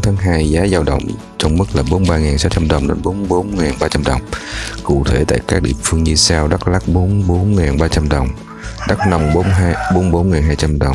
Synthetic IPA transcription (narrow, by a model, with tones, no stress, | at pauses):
t̪ʰaː˨˦ŋɦaː˧jzaː˨˦zaː˧wɗə̰˧˨wŋ͡m | t͡ɕɔ˧wŋ͡mmɨ˦˥k̚laː˨˩ɓo˨˦nɓaː˧ŋaː˨˩nsaː˨˦wt͡ɕa˧mɗə˨˩wŋ͡mɗe˨˦nɓo˨˦nɓo˨˦nŋaː˨˩nɓaː˧t͡ɕa˧mɗə˨˩wŋ͡mkṵ˧˨t̪ʰe˧˩t̪a̰ː˧˨jkaː˦˥k̚ɗḭ˧˨əmfɨ˧əŋɲɨ˧saː˧wɗa˦˥k̚la˦˥k̚ɓo˨˦nɓo˨˦nŋaː˨˩nɓaː˧t͡ɕa˧mɗə˨˩wŋ͡m | ɗa˦˥k̚na˧wŋ͡mɓo˨˦nɦːjɓo˨˦nɓo˨˦nŋaː˨˩nɦaː˧jt͡ɕa˧mɗə˨˩wŋ͡m